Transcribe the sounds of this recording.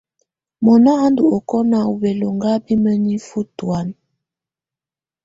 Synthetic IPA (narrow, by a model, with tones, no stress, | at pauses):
mɔ˨na˦ha˦ndu˨ɔ˨kɔ˦na˨u˨bɛ˨lo˨ŋɡa˦bi˦mə˦ni˦fu˦twa˦n